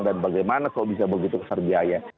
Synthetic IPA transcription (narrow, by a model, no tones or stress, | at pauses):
danbaɡajmanakalobis̬abəɡit̪ukəsarbiaja